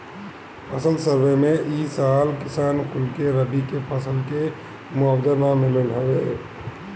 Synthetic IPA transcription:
əsəlsəɾbemeʔisalkɪsaːnkʊlkeɾəbikepəsəlke | mʊabd̪ənamiləlɦəʋe

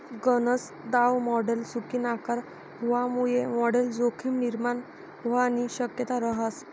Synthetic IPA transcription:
ɡənəs | d̪awmɔɽelsukinakaɾ | ɦuʋamujemɔɽeld͡zokʰimniɾman | ɦʋaniɕəkjət̪aɾəɦas

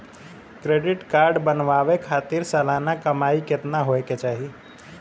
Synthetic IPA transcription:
kɾeɖɪʈkaɾɖbənʋaʋekʰat̪iɾsəlanakəmaikɪt̪naɦoeket͡ʃaːɦi

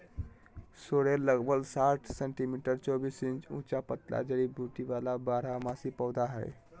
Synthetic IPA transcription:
soɽelːəɡbəlsaʈʰseɳʈimiʈəɾt͡ʃɔbisĩnt͡ʃṵ̃t͡ʃapət̪la̰d͡ʒəɽibʱuʈiʋalabaɾamasipəwd̪aɦə̰j

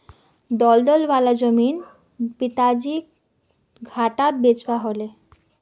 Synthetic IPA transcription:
d̪ɔld̪ɔlbalad͡ʑomin | pit̪ad͡ʑi | ɡʱaʈabed͡ʑbaɦole

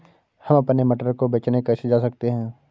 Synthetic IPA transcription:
hɐmɐpnemɐʈəɾkobeːt͡ʃnekɐɾsed͡ʒaːsɐkt̪eɦɛ̃ː

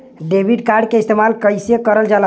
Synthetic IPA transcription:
ɖebʱiɖkaɾɖkeist̪emalkəjsjekəɾəld͡ʒal

